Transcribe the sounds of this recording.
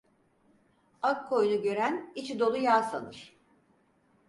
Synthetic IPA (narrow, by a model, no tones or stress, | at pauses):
akʰːo̞junuɟø̞ɾænit͡ʃʰid̪o̞lˠujaːsa̰nɯɾ̝̥